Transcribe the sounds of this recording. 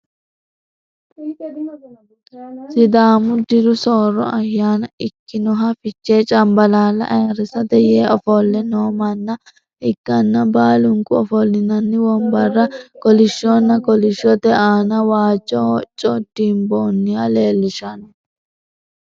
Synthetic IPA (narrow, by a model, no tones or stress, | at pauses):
sɪd̪aːmʊd̪ɪɾʊsoːɾːɔ̰ɐjːaːnɐɪkːɪnɔɦɐfɪt͡ʃːeːt͡ʃʼɐmbɐlaːlːɐ̰ʔɐjɾɪsɐd̪ɛjeːɔfɔlːɛnoːmɐnːɐ | ɪɡːɐnːɐbaːlʊŋkʊɔfɔlːɪnɐnːɪwɔmbɐrːɐkɔlɪʃːɔnːɐɡɔlɪʃːɔd̪ɛʔaːnɐwaːt͡ʃʼːɔt͡ʃʼːɔd̪̥iːmboːnːɪjale̞ːlːɪʃɐn